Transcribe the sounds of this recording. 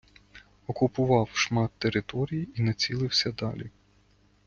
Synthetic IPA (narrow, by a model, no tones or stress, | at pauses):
ɔkʊpʊʋɑwʃmɑt̪ːeɾɪt̪ɔɾʲijiinɐt͡sʲilˠɪwsʲɐd̪ɑlʲi